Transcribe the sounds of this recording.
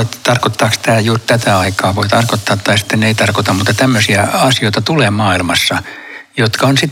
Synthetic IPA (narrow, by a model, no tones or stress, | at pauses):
et̪t̪ɑrkot̪ːɑːkst̪æːjuːrt̪æt̪æɑikɑːʋoit̪ɑrkot̪ːɑːt̪ːɑisi̥t̪ːeneit̪ɑrkot̪ɑmuːt̪ːɑt̪æmːøsiæɑsioit̪ɑt̪uleːmɑːilmɑsːɑ | jot̪kɑonsit̪ː